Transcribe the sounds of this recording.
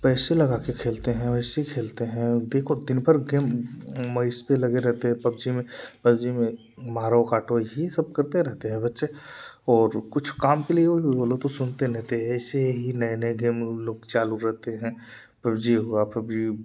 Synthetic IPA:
pɛːselɐɡaːkekʰeːlt̪eɦɛ̃ɛːseikʰeːlt̪eɦɛ̃d̪eːkʰod̪ɪnpəɾɡeːmmɐɪspelɐɡeɾɛɦt̪eɦɛ̃pɐb̚d͡ʒimẽpɐbd͡ʒimẽ | maːɾokaːʈojesɐb̚kɐɾt̪eɾɛɦt̪eɦɛ̃bɐtːʃeɔːɾkʊt͡ʃʰkaːmkelieoibboːlot̪osʊnt̪eɾɛɦt̪eɦɛ̃ːseɦinɐnəeɡeːmloːɡ̚t͡ʃaːluɾɛɦt̪eɦɛ̃ | pɐbd͡ʒiɦuapɐbd͡ʒi

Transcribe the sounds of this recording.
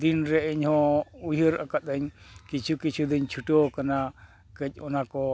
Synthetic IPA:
d̪inɾɛəɲhɔ̃ujəɾa̰kat̪̚əɲkit͡ʃʰukit͡ʃʰud̪iɲt͡ʃʰuʈɔkana | kəc̚ˀɔnakɔ

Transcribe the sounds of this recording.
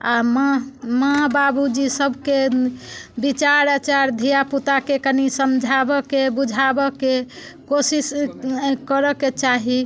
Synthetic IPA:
amamababud͡ʒisəbʱke | bit͡ʃaɾat͡ʃaɾd̪ʱijaput̪akekənisəmd͡ʒʱabɔkebud͡ʒʱabɔke | kosis | kəɾəket͡ʃaɦi

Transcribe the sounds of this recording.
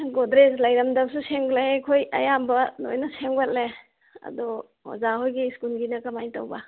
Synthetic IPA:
ɡodɾeslajɾɐmdɐk̚suseŋɡlekʰojɐjambɐno̰jnɐseŋbat̚le | ɐ̰dɔ | ho̰zaɦojɡiskulɡinɐkɐmajta̰wba

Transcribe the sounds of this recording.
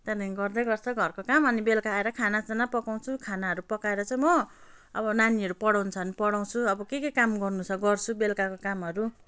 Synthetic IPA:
t̪ʌd̪ãɡʌrd̪ʌɡʌrt͡sʰʌɡʱʌrkokamʌnibelkaːeɾʌkʰanad͡zʌnapʌkaw̃t͡sʰukʰanaɦʌɾupʌkaeɾʌt͡sʌj̃mʌ | ʌbʌnaniʌɾupʌɽawnt͡sʰʌnipʌɽaw̃t͡sʰuʌbʌkekekamɡʌrnut͡sʰʌɡʌrt͡sʰubelkakokamɦʌɾu

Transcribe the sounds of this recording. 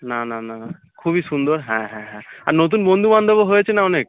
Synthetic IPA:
nananana | kʰubisund̪ɔɾɦɛ̃ɦɛ̃ɦɛ̃aɾnot̪̬unbond̪ʱuband̪ʱəboɦojet͡ɕʰenaɔnek̚

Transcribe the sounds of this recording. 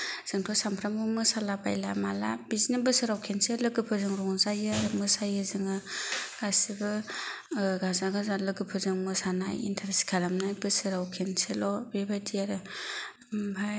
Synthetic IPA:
z̥ɯŋtʰɔsampʰɾamɯmɯsalabajlamala̰bizinɯbɯsɯɾawkʰenselɯɡɯpʰɯzɯŋɾɔŋzajɯɾɯmɯsajɯzɯŋɯɡ̥asibɯ | ɡazaɡɯzalɯɡɯpʰɯzɯŋmɯsanajḭntʰaɾsi̥kʰalamnɯbɯsɯɾawkʰenselɔbebadijaɾɯ | bʰʱa

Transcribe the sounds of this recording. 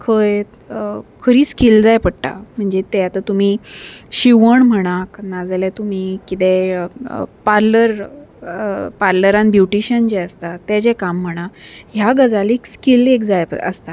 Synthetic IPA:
kʰəj | kʰəɾiːskild͡zajpəɽʈa̰m̤əɳd͡zet̪ejat̪at̪um̤iːɕiʋəɳm̤əɽ̃aknad͡zlɛt̪um̤ikit̪ɛ | paɾləɾ | paɾləɾãnbjuʈiɕənd͡ʑeəst̪at̪ad͡ʑɛkamːəɽ̃aɦjaɡəd͡zalekskilekd͡zajpə̰st̪a

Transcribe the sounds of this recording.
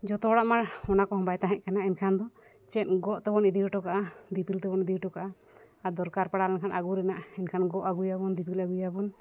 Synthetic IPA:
d͡ʒɔt̪ɔɽaʔmaɽɔnakɔɦɔ̃mbajt̪aɦɛc̚kanaʔɛnkʰand̪ɔ | t͡ʃɛt̪̚ɡɔʔt̪ɛbɔnid̪iʈɔkaʔad̪ipilt̪ɛbɔnid̪iʈɔkaʔa | ad̪ɔɾkaɾpaɽalɛnkʰanʔaɡuɾɛnaʔɛnkʰanɡɔʔaɡujabɔnd̪ipilaɡujabɔn

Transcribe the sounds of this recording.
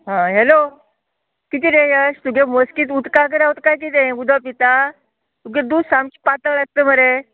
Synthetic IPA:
ɦãɦelo | kit̪iːnẽjəst̪uɡeməskiːt̪ut̪kak̬əɾaɦot̪kajk̬it̪ẽɡud̪ʱapit̪a | t̪uɡed̪usamt͡ɕi̥pat̪əlaɡ̚t̪əm̤əɾe

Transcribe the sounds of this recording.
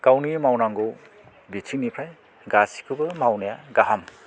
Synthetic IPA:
ɡ̥awnimawnaŋɡu | bitʰinipʰaj | ɡasi̥kʰubɐmawnajaɡaɦam

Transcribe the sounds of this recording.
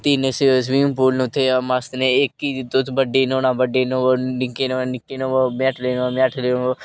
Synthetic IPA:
t̪iːnesesʋiːmpuːlnʊt̪ʰːeːmast̪neɪkːiːt̪ːot̪ʰːbəɖeːnoːnãːbəɖeːnõonɪkeːnoːnɪkːeːnõːomẽːʈʰleːnːmɛʈʰlenõ

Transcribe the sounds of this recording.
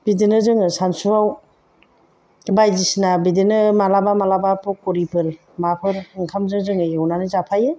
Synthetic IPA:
b̥idinɯzɯŋɯsansuaw | bajzisnabidinɯmalabamalabapɔkɔɾipʰɯɾ | mapʰɯɾɯŋkʰamzɯŋzɯŋɯjɯwnanɯzapʰajɯ

